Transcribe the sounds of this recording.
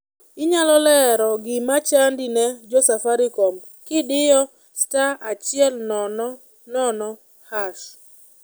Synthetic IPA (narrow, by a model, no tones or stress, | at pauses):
ɪɲalɔlɛɾɔɡɪmat͡ʃandinɛd͡ʒɔsafaɾikɔm | kɪdɪjɔ | staat͡ʃɪɛlnɔnɔ | nɔnɔ | haʃ